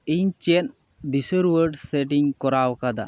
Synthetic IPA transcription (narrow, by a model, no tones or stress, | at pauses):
iɲt͡ʃen | d̪isəɾwəɾɖseʈiŋkɔɾawkad̪a̰